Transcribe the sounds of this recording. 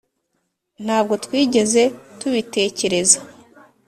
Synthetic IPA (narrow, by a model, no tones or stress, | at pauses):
n̥haːbɡo̞twiːɟe̞ze̞tuβite̞ːce̞ɾe̞zḁ